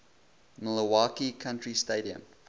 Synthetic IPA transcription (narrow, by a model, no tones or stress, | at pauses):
mələwaːkikʰãntɹisteːɾiə̰̃m